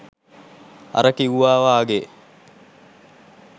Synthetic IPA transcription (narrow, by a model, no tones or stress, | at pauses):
a̰ɾəkiwuʋaːʋaːɡe